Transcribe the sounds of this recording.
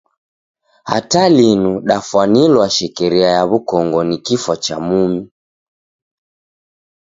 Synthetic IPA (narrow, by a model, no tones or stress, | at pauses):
ha̰talinuɗafwanilwaʃɛkɛɾiajaβukɔŋɡɔnikifwat͡ʃamumi